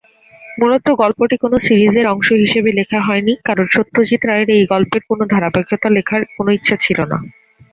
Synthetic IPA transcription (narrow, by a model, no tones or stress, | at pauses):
mulot̪oɡɔlpoʈikonosiɾizeɾɔŋʃoɦiʃebelekʰaɦɔenikaɾonʃot̪ːod͡ʑit̪ɾaeɾejɡɔlpeɾkonod̪ʱaɾabaɡʱjot̪alekʰaɾkonoitːɕʰat͡ɕʰilona̰